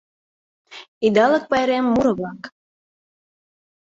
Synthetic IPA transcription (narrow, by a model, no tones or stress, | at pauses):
id̪ɑlək̚pɑjɾemːuɾɤ̆βlɑk